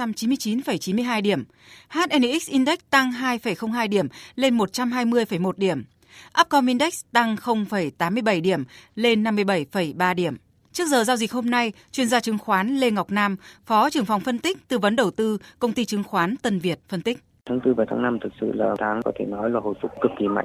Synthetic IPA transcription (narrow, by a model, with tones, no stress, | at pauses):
a˧mt͡ɕi˨˦mɨ˧ət͡ɕi˨˦nfə˧˩jt͡ɕi˨˦mɨ˧əjɦaː˧jɗi˧˩əm | haː˦˥t̚ʔɛ˧ni˧˩ʔi˦˥k̚sʔi˧nɗɛ˦˥k̚t̪a˧ŋɦaː˧jfə˨˩jxə˧wŋ͡mɦaː˧jɗi˧˩əmle˧nmo˨˩t̚t͡ɕa˧mɦaː˧jmɨ˧əjfə˧˩jmo˨˩t̚ɗi˧˩əm | ʔaː˦˥p̚kɔ˧mʔi˧nɗɛ˦˥k̚t̪a˧ŋxə˧wŋ͡mfə˧˩jt̪aː˨˦mːɨ˧əjɓə˧˩jɗi˧˩əmle˧nːa˧mːɨ˧əjɓə˧˩jfə˧˩jɓaː˧ɗi˧˩əm | t͡ɕɨ˦˥ək̚zəː˨˩zaː˧wzi˨˩k̟̚ho˧mna˧j | t͡ɕwi˧˩ənzaː˧t͡ɕɨ˨˦ŋxwaː˨˦nle˧ŋa˨˩wk͡p̚naː˧mfɔ˨˦t͡ɕɨ˨˩əŋfa˨˩wŋ͡mfə˧nt̪ï˦˥k̚t̪ɨ˨˩və˨˦nɗə˨˩wt̪ɨ˧kə˧wŋ͡mt̪i˧t͡ɕɨ˨˦ŋxwaː˨˦nt̪ə˧nvi˨˩ət̚fə˧nt̪ï˦˥k̟̚ | t̪ʰaː˨˦ŋt̪ɨ˧vaː˨˩t̪ʰaː˨˦ŋna˧mt̪ʰɨ˨˩t̚sɨ̰˧˨laː˨˩t̪ʰaː˨˦ŋkɔ˨˦t̪ʰe˧˩nɔ˨˦jlaː˨˩ho̰˧˨jfʊ̰˨˧˥k͡p̚kɨ˨˩k̚ki˨˩ma̰˧˨jŋ